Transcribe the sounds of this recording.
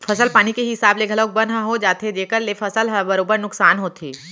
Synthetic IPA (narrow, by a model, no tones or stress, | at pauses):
fʰɐsəlpaːñikeɦɪsaːbleɡʱɐlək̚bə̃nɦaɦod͡ʒaːt̪ed͡ʒeːkəɾlefʰɐsəlɦəbɐɾoːbəɾnʊksaːnɦoːt̪ʰiː